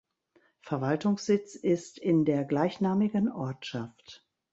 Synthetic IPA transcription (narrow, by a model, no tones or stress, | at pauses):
fɛɐvaltʊŋsz̥ɪt͡sɪstɪndeːɐɡlaɪçnaːmɪɡənʔɔɐtʃaft